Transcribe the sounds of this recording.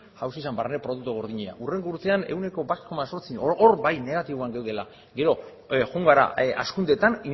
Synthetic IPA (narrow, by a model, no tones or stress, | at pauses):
ʝawsisambarnepɾo̞ðuk̚t̪uɣ̞o̞ɾð̞iɲea̰ʔure̞ŋɡuɾt̪e̞ane̞wne̞ko̞bat̪komaso̞ɾt͡sioɾbajne̞ɣat̪iβoaŋɡewðe̞la | ɡe̞ɾo̞ | ɣuŋɡaɾa̰a̰skund̪e̞t̪ani